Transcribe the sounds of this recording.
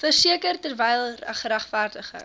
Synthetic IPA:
fərsiəkərtərvɛjlˠræ̰χɾæχfærdəχə̰

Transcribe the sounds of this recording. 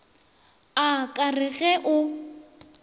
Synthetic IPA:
akʼarɪɣɛʔʊ

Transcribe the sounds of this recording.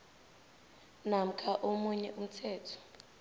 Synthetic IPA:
nam̩kʰʼaʔomuɲɛʔum̩tʰɛːtʰɔ̥

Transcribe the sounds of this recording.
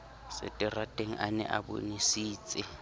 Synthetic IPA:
sɪ̰tʼɪratʼeŋ̩ʔanɛ̰ʔabo̰nisiːt͡sʼɪ

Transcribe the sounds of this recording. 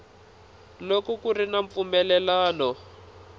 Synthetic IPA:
lokɔkurinaɱp̪fumɛlɛlaːnɔ

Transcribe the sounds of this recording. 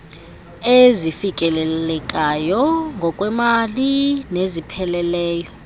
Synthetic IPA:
ezifikʼɛlɛlɛkʼajɔŋɡʱɔkʼwɛmalinezipʰɛlɛlɛːjɔ

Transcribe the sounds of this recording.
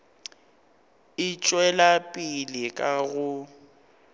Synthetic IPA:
ɪt͡ʃʼwɛlapʼilɪkʼaɣʊ

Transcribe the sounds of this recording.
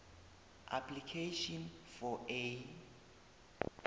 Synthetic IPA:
ʔa̰pʰlikʰeʃɔnfɔe

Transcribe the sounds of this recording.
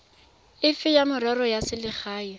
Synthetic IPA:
ɪfɪjamʊɾɛɾɔjasɪlɪχaːi

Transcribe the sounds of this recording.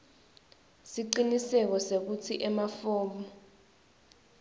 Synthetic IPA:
siǀinisɛk̬ɔsek̬ut͡sʰiʔɛmafɔːmbɔ

